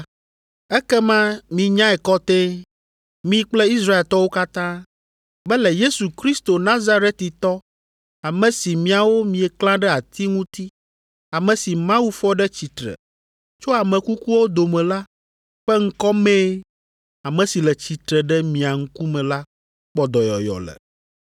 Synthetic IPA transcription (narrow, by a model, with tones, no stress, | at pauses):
ɛ˦kɛ˦mã˦mĩ˨ɲã˦ɛ˨kɔ˦t̪ɛ̃˦ | mĩ˦k͡plɛ˦i˦s̬ɾa˦e˨lt̪ɔ˦wo˦ka˦t̪ã˦ | bɛ˦lɛ˨je˦su˨kɾi˦st̪o˨nã˦za˦ɾe˦t̪i˨t̪ɔ˦ | a˨mɛ̃˨si˨mĩ˨a˨wo˦mĩ˨ɛ˨klã˦ɖɛ˦a˨t̪i˦ŋũ˦t̪i˦ | a˨mɛ̃˨si˨mã˦wu˦fɔ˦ɖɛ˦t͡ɕi˨t̪ɾɛ̰˨ | t͡ʃo˦a˨mɛ̃˨ku˦ku˦wo˦d̪o˨mɛ̃˨la˦ | ɸɛ˦ŋ̩˦kɔ˦mɛ̃˦ | a˨mɛ̃˨si˨lɛ˨t͡ɕi˨t̪ɾɛ˨ɖɛ˦mĩ˨a˨ŋ̩˦ku˦mɛ̃˨la˦ | k͡pɔ˨d̪ɔ˨jɔ̰˨jɔ̰˨lɛ̰˨